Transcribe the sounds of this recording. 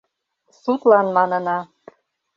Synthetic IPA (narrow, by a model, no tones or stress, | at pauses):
sut̪lɑnmɑnɤnɑ